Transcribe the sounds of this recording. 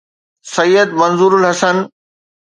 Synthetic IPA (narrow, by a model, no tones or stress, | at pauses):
sɐjːəd̪mɐnzuːɾʊlɦɐsən